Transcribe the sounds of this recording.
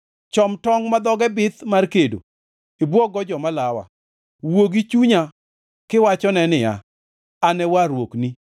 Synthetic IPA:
t͡ʃɔmtɔŋmad̪ɔɡɛbɪt̪markedo̰ | ibwɔɡɔd͡ʒɔmalawa̰ | woɡit͡ʃuɲa | kɪwat͡ʃɔnɛnɪja̰ | anɛwaɾwokni

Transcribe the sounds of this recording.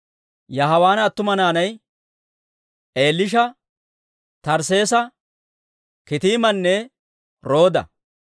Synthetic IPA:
jɐɦɐwaːnɐt̪ːʊmɐnaːnɐj | ʔe̞ːlːɪʃ̬ɐ | t̪ɐɾse̞ːsɐ | kɪt̪iːmɐnːɛ | ɾo̞ːd̪ɐ̰

